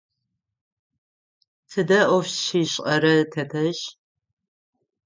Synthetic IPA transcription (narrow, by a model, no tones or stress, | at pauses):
tʰɨdɐʔʷɔfʃiɕʼɐɾɐtʰɐtʰɐɕ